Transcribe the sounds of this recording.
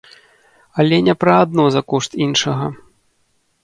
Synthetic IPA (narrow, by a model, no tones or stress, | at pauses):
ɐlʲɛnʲɛpɾɐad̪̚nɔzɐkɔʂt̪inʂɐɣɐ